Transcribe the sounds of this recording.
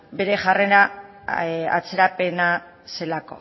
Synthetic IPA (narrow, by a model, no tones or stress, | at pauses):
be̞ɾe̞ʝareɾa | a̰t͡se̞ɾape̞na | se̞lako̞̰